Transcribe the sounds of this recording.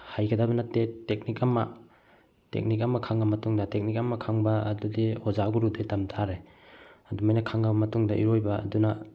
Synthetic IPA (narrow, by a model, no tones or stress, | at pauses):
hajɡɐdabɐnɐtːetek̚nikɐmɐ̰ | tḛk̚nik̬ɐmɐkʰaŋbɐmɐtuŋdɐtek̚nik̚ɐmɐkʰaŋbɐːdudihozaɡuɾudetɐmtʰaɾe | ɐdumajnɐkʰaŋɡɐbɐmɐtuŋdɐʔiɾojbɐ̰ːdunɐ